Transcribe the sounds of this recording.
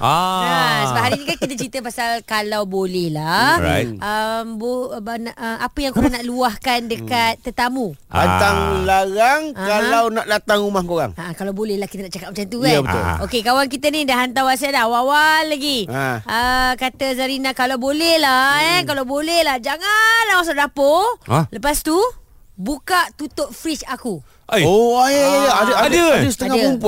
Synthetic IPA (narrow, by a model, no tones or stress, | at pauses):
asəbaʔɦaɾinĩkankit̪ət͡ʃɾit̪əpasalkalawbolɛhla̰ | ʔəmbonaʔəapəjaŋkoɾãŋnaʔluahkandəkat̪ːət̪amu | pant̪aŋlaɣaŋkkalawnaʔlat̪aŋumahkoɾa̰ŋaakalawbolɛhlahkit̪ənaʔt͡ʃakat̚mat͡ʃamt̪uabət̪ʊ̰lokekawank̬it̪ənĩdaɦant̪awas̬adaawawalːaɡiəkat̪əzaɾinãkalawbolɛhlaɛnk̬alawbolɛhlahd͡ʒaŋanlahwas̬aʔdapoləpast̪ubukaʔt̪ut̪ʊʔ̚fɾit͡ʃaku | oajjadəadəadəsə̥t̪əaŋaəumpu